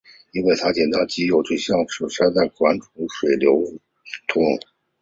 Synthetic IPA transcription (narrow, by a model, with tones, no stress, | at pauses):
i˥nwe˥˩ɪt̪ʰa˥t͡ɕjɛ˨˩nt̪ɑ˥˩ʊt͡ɕi˧˥jo˨˩ʊʈ͡ʂwe˥ɕjɑ˥˩ŋʂu˨˩ɕja˥˧d̪ə˩kwa˧˥nʈ͡ʂʰu˧˥ʂwe˨˩ɪljo˧˥ʊ˥˩ | t̪ʰʊ˧˥ŋ